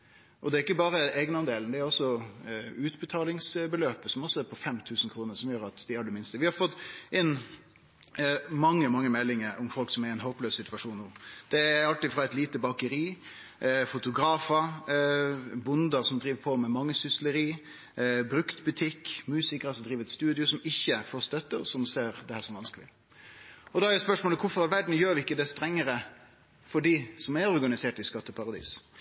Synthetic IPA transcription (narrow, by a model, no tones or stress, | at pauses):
ʔɔd̪ɛɾɪk̬ːəbɑːɾəɛːɡnɑnd̪eːlnd̪ɛæɾɔsːɔ | ʉːt̪bət̪ʰɑːlɪŋsbəløːpəsɔmɔsːɔæɾpʰɔfɛmt̪ʰʉːsn̩kʰɾuːnəɾsɔmjøːɾɑt̪d̪ɪhɑɖ̪ɛmɪnst̪əʋɪhɑɾfɔt̪ːɪn | mɑŋːəmɑŋːəmɛlːɪŋəɾʊmfɔlksɔmɛɾɛɪnɦoːpløːssɪt̪ʋɑʂuːnnuːd̪̥ɛɾɑlt̪ɪfɾɑɛt̪liːt̪əbɑkəɾiː | fʊt̪ʊɡɾɑːfə | bʊnd̪əɾsɔmd̪ɾiːʋpʰɔmɛmɑŋːəsʏsləɾiː | bɾʉkt̪bʉt̪ʰɪkːmʉːsɪkɾɑsɔd̪ɾiːʋɛt̪st̪ʉːd̪ɪʊsɔmɪçːəfoːst̪œt̪ːəsɔmseːɾd̪ɛhæːsɔmʋɑnskəlɪ̰ | ɔd̪ɑæɾɛspœʂmoːləkʰʊfɔɾɑʋʋæɖɳ̩jøːɾʋɪɪkːəd̪ɛst̪ɾɛŋːəɾə | fɔɖiːsɔmæɾɔɾɡɑnɪseːʈɪskɑt̪ːəpʰɑɾɑd̪ḭːs